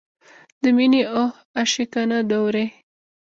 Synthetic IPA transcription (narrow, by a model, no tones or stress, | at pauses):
d̪əminiʔoh | aʃikanad̪owɾe